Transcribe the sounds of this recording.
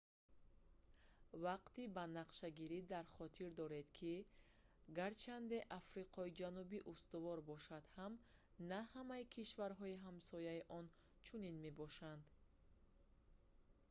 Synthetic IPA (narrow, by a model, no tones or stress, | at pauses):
vaqt̪ibanaqʃaɡiɾid̪aɾχɔt̪ʰiɾd̪ɔɾe̞d̪kʰi | ɡaɾt͡ʃʰand̪e̞ʔafɾiqʰɔid͡ʒanubiʔust̪uvɔɾbɔʃad̪̥ham | nahamaikʰiʃvaɾɦɔiɦamsɔjaiʔɔnt͡ʃʰuninme̞bɔʃand̪